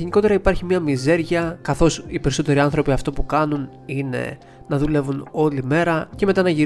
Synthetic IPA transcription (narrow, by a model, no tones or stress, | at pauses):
eniko̞t̪e̞ɾɐipɐɾçimɲɐmize̞ɾʝɐkɐθo̞sipe̞ɾiso̞t̪e̞ɾiɐnθɾo̞piɐft̪opukɐnun | ine̞̰ | nɐðule̞vuno̞lime̞ɾɐce̞me̞t̪ɐnɐʝiɾ